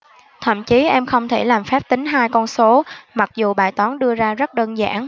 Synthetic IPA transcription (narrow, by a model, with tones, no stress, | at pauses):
t̪ʰə̰˧˨mt͡ɕi˨˦ʔɛ˧mxə˧wŋ͡mt̪ʰe˧˩laː˨˩mfɛ˦˥p̚t̪ï˨˦ŋ̟ɦaː˧jkɔ˧nso˨˦ma˨˩k̚zu˨˩ɓa̰ː˧˨˩jt̪wɔ˨˦nɗɨ˧əzaː˧zə˦˥t̚ɗəː˧nza̰ː˧˩n